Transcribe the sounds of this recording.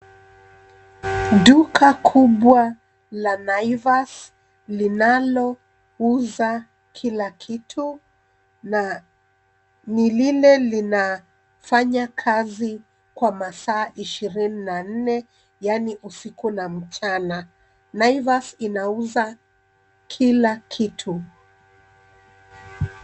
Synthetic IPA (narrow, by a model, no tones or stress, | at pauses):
ɗukʰakʰuɓwa | lanaivas | linalɔ | uza | kʰilakʰitʰu | na | nililɛlina | faɲakʰazi | kwamasaːʔiʃiɾininan̩nɛ | janiʔusikunam̩t͡ʃana | naivasinauza | kʰilakʰitʰu